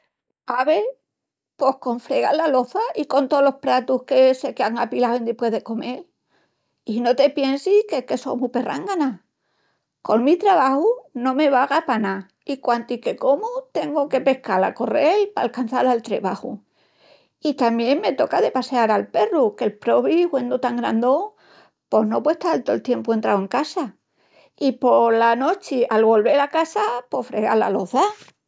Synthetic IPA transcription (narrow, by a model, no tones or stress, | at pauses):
aβe̞ | po̞hko̞ɱfɾe̞ɣalːalo̞θaiko̞nt̪olo̞hpɾat̪uhkese̞keaŋapilawend̪ipwe̞ðe̞ko̞me̞l | ino̞t̪e̞pje̞nsikehke̞so̰mupe̞rʔa̰ŋɡana | ko̞ŋmit̪ɾaβahunõ̞me̞βaɣapana | ikwant̪ike̞ko̞mut̪e̞ŋɡoke̞pe̞hkala̰ko̞relpa̰ːlkan̟θalalt̪ɾḛβahu | it̪amje̞ŋme̞t̪o̞kaðe̞paseaɾalpe̞ruke̞lpɾo̞βihwe̞nd̪ot̪aŋɡɾand̪o | po̞no̞pweht̪aalt̪oelt̪je̞mpue̞nt̪ɾawe̞ŋkasa | ipo̞ɾlano̞t͡ʃialβo̞lβe̞ɾakasapo̞fɾeɣa̰la̰loða